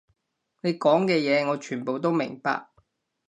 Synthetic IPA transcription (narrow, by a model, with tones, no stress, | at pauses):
ne˨˧jkɔː˨˥ŋkɛː˧jɛː˨˧ŋɔː˨˧t͡ʃʰyː˨˩npo˨wt̪o˥wmɪ̰˨˩ŋpa̰ː˧k̚